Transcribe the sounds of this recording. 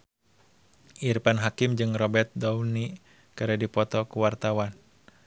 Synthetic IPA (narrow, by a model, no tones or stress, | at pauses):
ʔirpanɦakimd͡ʒɨŋrɔbɛrt̪̚dɔuni | kaɾadipɔt̪ɔkuwart̪awan